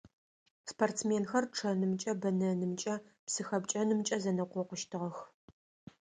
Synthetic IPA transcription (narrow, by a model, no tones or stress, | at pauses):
spɐrtt͡smeːnxɐrʈ͡ʂʰɐnɨmt͡ʃʼɐbɐnɐnɨmt͡ʃʼɐpsɨxɐpt͡ʃʼɐnɨmt͡ʃʼɐzɐnɐqʷɔqʷʊʃtʰɨʁɐx